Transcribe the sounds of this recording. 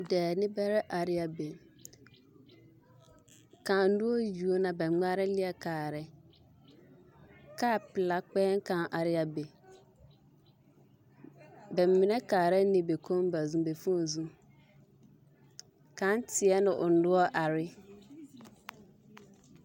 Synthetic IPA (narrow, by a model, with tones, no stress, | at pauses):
dɛː˨nɪ̃˦bɛ˦ɾɛ˦ʔa˨ɾɪ˨a˨be˨ | kʰã˨n̩˦dʊ˦ɔ˦ju˨o˦nã˨bɛ˨˦ɡ͡ba˦ɾɪ˦lɪ˦ɛ˨kʰaː˨ɾɛ˦ | kʰa˦˨pɪ˨la˦k͡pɛː˦ŋ̩˦kʰã˨nʔa˨ɾɪ˦a˨be˨ | bɛ˨m˨mːɪ̃˨nɛ̃˦kʰaː˨ɾɛ˦nɪ̃˨be˨kʰõ˦m˦ba˨zũ˨be˨fũ˦˨zũ˦ | kʰã˦n˦tʰɪ˨ɛ˦nʊ̃˨ʔʊ˨n̩˦dʊ˦ɔ˦ʔa˨ɾɪ˦